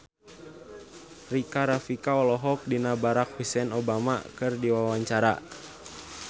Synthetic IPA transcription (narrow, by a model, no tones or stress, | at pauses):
rikaɾafikaɔlɔɦɔk̚dinabaɾak̚husɛnɔbama̰kɨrdiwawaɲt͡ʃaɾa̰